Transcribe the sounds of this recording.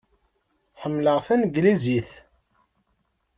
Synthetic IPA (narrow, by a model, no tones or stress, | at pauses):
ħəmːləʁθænɡliziθ